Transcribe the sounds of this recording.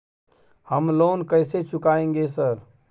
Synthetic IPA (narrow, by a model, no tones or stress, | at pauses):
həmlonkəjset͡ʃʰukaẽŋɡesəɾ